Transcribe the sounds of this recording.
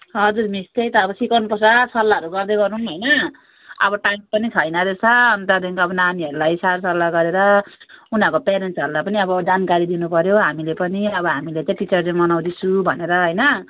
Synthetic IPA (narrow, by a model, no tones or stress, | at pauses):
ɦʌd͡zurmist̪ʌjt̪ʌːbʌsikawnupʌsasʌlːaʌɾuɡʌrd̪ʌjɡʌɾuŋɦʌjnʌ | ʌbʌʈaŋpʌnit͡sʰʌjnʌd̪esʰʌʌnt̪ad̪eŋkʌbʌnaniʌɾulajsaɾsʌlːaɡʌɾeɾʌunʌkopeɾensʌɾulajpʌniʌbʌd͡zankaɾid̪inupʌɾjoɦamilepʌniʌbʌɦamilet͡saj̃ʈit͡sʌrlemʌnaw̃d̪it͡sʰubʱʌneɾʌɦʌjnʌ